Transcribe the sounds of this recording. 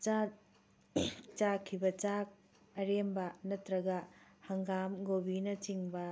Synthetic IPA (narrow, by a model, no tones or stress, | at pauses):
t͡ʃakʰːibɐt͡ʃak̚ | ɐɾembɐnɐtɾɐɡɐhɐŋɡamɡobinɐt͡ʃiŋbɐ